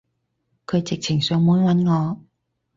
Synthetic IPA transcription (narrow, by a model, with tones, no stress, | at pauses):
kʰɵ˨˧ɥt͡sɪ˨k̚t͡sʰɪ˨˩ŋsœː˨˧ŋmuː˨˥nwɐ˨˥nŋɔː˨˧